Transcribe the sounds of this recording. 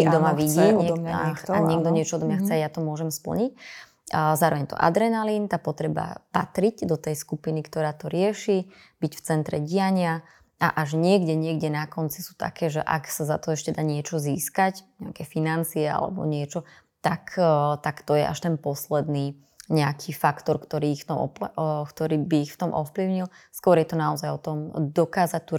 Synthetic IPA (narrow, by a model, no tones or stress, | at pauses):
ɛɡd̪ɔmaʋiɟiɲɛaɲɪɛɡ̚d̪ɔɲɪɛt͡ʃɔɔd̪ɔmɲaxt͡sɛajat̪ɔmʊɔʒɛmspl̩ɲic̚ | zaːɾɔʋɛɲɛt̪ɔ̰ʔa̰d̪ɾɛnalint̪aːpɔt̪ɾɛba̰pat̪ɾiɟd̪ɔt̪ɛjskupinikt̪ɔɾaːt̪ɔɾɪɛʃi | bicft͡sɛnt̪ɾɛ̰ɟiaɲɪa | ʔa̰ʔaʒɲɪɛɡɟɛɲɪɛɡɟɛnakɔnt͡si̥su̥ːt̪a̰kɛːʒɛ̰ʔa̰ksazat̪ɔɛʃcɛd̪aːɲɪɛt͡ʃɔziːskacɲɛakɛfinant͡siɛa̰lɛ̰bɔ̰ɲɪɛt͡ʃɔ | t̪akt̪akt̪ɔjɛ̰ʔa̰ʃt̪ɛnpɔslɛd̪niː | ɲɛakʰifakt̪ɔɾkt̪ɔɾiːixft̪ɔmʔɔ̰pkt̪ɔɾiːbiːxft̪ɔmʔɔfpliʊɲilskwɔɾjɛt̪ɔnaɔzajɔt̪ɔmd̪ɔkaːzac̚t̪u